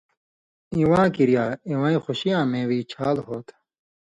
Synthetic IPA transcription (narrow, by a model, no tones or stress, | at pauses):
iwãːkiɾijaːiwãːĩxuɕijãːmẽːwiːt͡ɕʰaːlɦoːt̪